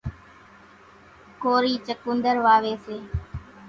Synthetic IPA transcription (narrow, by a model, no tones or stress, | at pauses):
koːɾiːt͡ʃəkũːnd̪əɾʋaːʋeːseː